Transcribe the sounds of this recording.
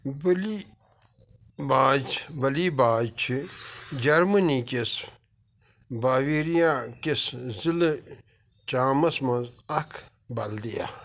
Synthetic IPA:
bɐli | baːd͡ʒbɐliːbaːt͡ʃʰid͡ʒɐɾmɐnikes | baːʋiɾijaːkeszile | t͡ʃaːmɐsmɐzɐkʰ | bɐld̪ija̰

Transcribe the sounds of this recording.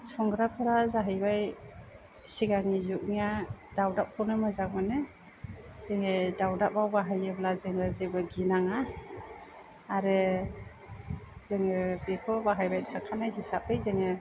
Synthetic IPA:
sɔŋɡɾapʰɯɾazaɦɯjbaj | siɡaŋizuʔ̚nijadawdap̚kʰɔwnɯmɯzakmanɯ | z̥eŋɯdawdap̚bawbaɦajɯblazɯŋɯzɯbɯɡinaŋa | ɾɯ | z̥ɯŋɯbekʰɔbaɦajbajtʰakʰanajɦisap̚ɯjzɯŋɯ

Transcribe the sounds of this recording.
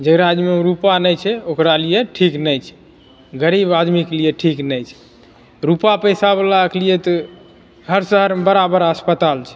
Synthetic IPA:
d͡ʒəɡɾad͡ʒmeũɾupanəjt͡ʃʰɛokɾalijeʈʰiknəjt͡ʃʰɛ̥ | ɡəɾibad̪miklijeʈʰiknəjt͡ʃʰɛ̥ | ɾupapəjsabəlaklijet̪ɔ | ɡʱəɾsəɦəɾmebəɾabəɾəspət̪alt͡ʃʰɛ̥

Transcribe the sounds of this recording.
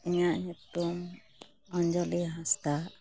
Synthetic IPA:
iɲaʔɲut̪um | ɔɲd͡ʒɔliɦast̪aʔ

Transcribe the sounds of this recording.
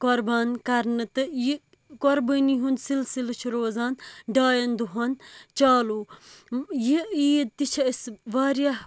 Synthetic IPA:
kɔɾbaːnkɐɾnɨt̪ɨji | kɔɾbəniɦunsilsilɐt͡ʃʰuɾoːzaːnɖaːjɐnd̪uɦɐnt͡ʃaːluː | jiit̪it͡ʃʰɐisʋaːɾjah

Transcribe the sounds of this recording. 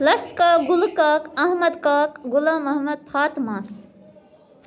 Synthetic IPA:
lɐskaːɡʊlkɐkɐɦmɐd̪kaːkɡulaːmɐɦmɐd̪̚pʰaːt̪maːs

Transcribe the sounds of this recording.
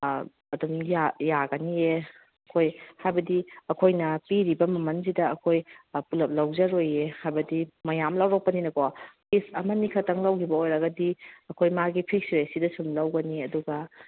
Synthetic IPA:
ɐdumjajaɡɐnie | ɐkʰojhajbɐdiɐkʰojnɐpiɾibɐmɐmɐnzidɐɐkʰojpulɐp̚lawzɐɾojehajbɐdimɐjamlawɾaw̚pɐninɐkopisɐmɐnikʰɐtʰɐŋlawkʰibɐojɾɐɡɐdiɐkʰojmaɡipʰik̚sɾesidɐsumlawɡɐniɐduɡɐ

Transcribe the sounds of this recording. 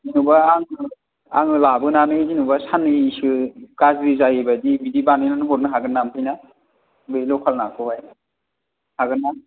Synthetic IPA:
zinubaaŋɯ | a̰ŋɯlabɯnanɯzinubasanɯsɯkazɾizajibadibidibanɯjnanɯɦɔɾ̚nɯɦaɡɯnːampʰɯjna | bɯlɔkʰalnakʰɯhaj | haɡɯnːa

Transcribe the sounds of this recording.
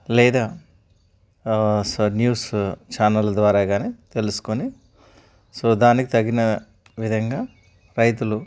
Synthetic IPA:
lɛːd̪aː | sonjuːst͡ʃaːnɐld̪ʋaːɾaːɡaːneːt̪e̞lusu̥koni | soːd̪aːnikit̪ɐɡːinɐ | ʋid̪ʱɐŋɡaː | ɾɐjt̪ulu

